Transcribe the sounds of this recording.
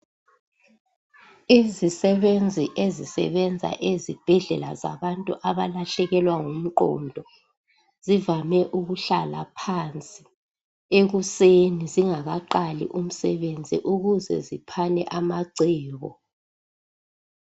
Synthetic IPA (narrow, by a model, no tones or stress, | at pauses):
izisɛβend͡zʱiʔezisɛ̰βɛnd͡zʱa̰ʔezib̥ʱɛɮɛla̰za̰βantʼuʔaβalaɬɛɣɛlwaŋum̩ǃɔ̰ndʱɔ | zivamɛʔuɣuɬalapʰant͡sʼi | eɣuseniziŋaɣaǃalḭʔum̩sɛβend͡zʱḭʔuɣuzɛ̰zipʰanɛ̰ʔamaǀɛːɣɔ